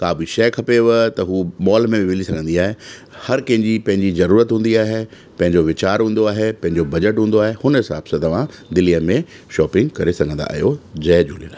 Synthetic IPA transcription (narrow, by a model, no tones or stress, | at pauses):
kaːbiʃɛːkʰɐpeʋət̪ɐɦuːmɔːlmẽbɪʋɪlisɐɡʱə̃nd̪iaːɦe | hɐɾkɐ̃ɦɪ̃ɲd͡ʑipɐ̃ɦɪ̃ɲd͡ʑizɐɾuːɾət̪ɦũːnd̪iaːɦe | pɐ̃ɦɪ̃ɲd͡ʑoʋɪt͡ɕaːɾɦũːnd̪oaːɦepɐ̃ɦɪ̃ɲd͡ʑobɐd͡ʑəʈɦũːnd̪oaːɦehʊnɦɪsa̰ːb̥sãt̪ɐʋ̤ãd̪ɪlijəmẽ | ʃɔːpɪ̃ŋɡkɐɾesɐɡʱə̃nd̪a̰ːɦijod͡ʑɛːd͡ʑʱuːlina